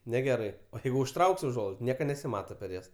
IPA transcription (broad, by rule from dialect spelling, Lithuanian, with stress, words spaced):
nʲɛˈɡʲæːrɐɪ oː ˈjɛɪɡʊ ʊʃˈtrɐʊkʲsʲ ʊˈʒuɔlˠɐɪts ˈnʲiɛkɐ nʲɛsʲɪˈmɑːtɐ pʲɛr ˈjɛs